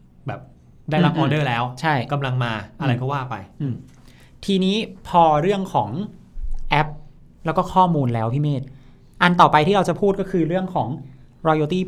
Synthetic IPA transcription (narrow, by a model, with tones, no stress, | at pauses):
bɛː˨˩p̚ | daː˥˩ɾa˦˥k̚ʔɔː˧dɤː˥˩lɛː˦˥wt͡ɕʰa˥˩jka˧mla˧ŋmaː˧ʔa˧ɾa˧jkɔ˥˩waː˥˩pa˧jʔɯː˧˩ | t̪ʰiː˧niː˦˥pʰɔː˧ɾɯ˥˩əŋkʰɔː˩˦ŋ | ʔɛ˦˥p̚ | lɛ˦˥wkɔː˥˩kʰɔː˥˩muː˧nlɛː˦˥wpʰiː˥˩meː˥˩t̪̚ | ʔa˧nt̪ɔː˨˩pa˧jt̪ʰiː˥˩ɾa˧wt͡ɕa˨˩pʰuː˥˩t̪̚kɔː˥˩kʰɯː˧ɾɯ˥˩əŋkʰɔː˩˦ŋ | ɾɔː˧joː˧t̪iː˥˩